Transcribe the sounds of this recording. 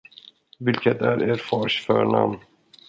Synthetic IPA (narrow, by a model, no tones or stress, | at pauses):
vɪlkət̪æɾʔeːɾfɑːʂfœ̰ɳa̰mn